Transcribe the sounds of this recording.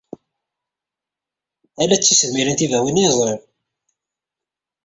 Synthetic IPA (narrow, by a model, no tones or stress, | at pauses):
ælæt͡sːisəðmiɾənt̪ivæwinizˤeɾ